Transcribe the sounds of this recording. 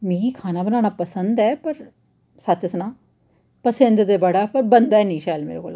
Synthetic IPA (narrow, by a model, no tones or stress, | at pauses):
mĩːɡiːkʰaːnaːbənãːñaːpəsənd̪ɛːpəɾ | sət͡ʃəsnaː | pəsə̃nd̪d̪eːbəɽaːpəɾbənd̪aːɛːnĩːʃaːlmḛːɾḛːko̰ːla̰ː